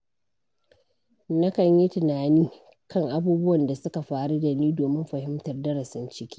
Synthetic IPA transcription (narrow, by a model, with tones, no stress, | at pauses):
nɐ˦kɐ˨ɲji˦tɪ˨naː˨niː˦ | kɐ˦˨ŋʔa˦buː˦bʊ˦wɐ˨nda˨sʊ˦ka˨ɸaː˦˨ɽu˦da˨niː˦doː˨mɪ˦mɸɐ˨hɪ˦mtɐ˨rdɐ˦ɾɐ˨sɪ˦nt͡ʃɪ˦kʲiː˦